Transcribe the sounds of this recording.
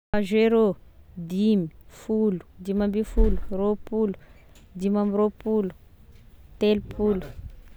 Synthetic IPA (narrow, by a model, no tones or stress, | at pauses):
aʒeɾod̪imifulu̥d̪imambifuluropulu̥ | d̪imamiɾopulu̥ | t̪elupʰulu̥